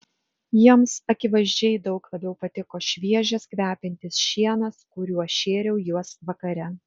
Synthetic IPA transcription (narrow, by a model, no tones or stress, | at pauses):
jiɛmsɐkʲɪʋɐʒʲd͡ʒʲɛɪd̪ɒʊklˠɐbʲɛʊpɐt̪ʲɪkoːʃʲʋʲiɛʒʲɛskʋʲæːpʲɪnʲt̪ʲɪsʃʲiɛnɐskʊɾʲuɔʃʲeːɾʲɛʊjuɔsʋɐkɐɾʲɛ